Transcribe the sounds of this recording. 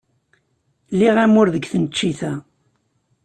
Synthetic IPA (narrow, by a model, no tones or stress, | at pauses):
lːiʁæmʊɾðəɡθənt͡ʃːiθæ